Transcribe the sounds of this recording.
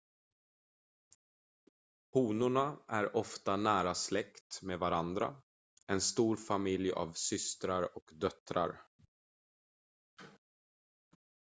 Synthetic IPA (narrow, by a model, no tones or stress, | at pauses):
huːnʊɳaʔæɾɔft̪anæːɾaslɛkt̪meːd̪vaɾand̪ɾa̰ | ɛnst̪uːɾfamɪlja̰vsʏst̪ɾaɾɔkd̪œt̪ɾa̰ɾ